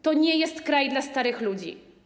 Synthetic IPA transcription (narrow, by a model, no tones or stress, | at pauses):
t̪ɔɲɛjɛst̪kɾajd̪last̪aɾɘxlud͡ʑḭ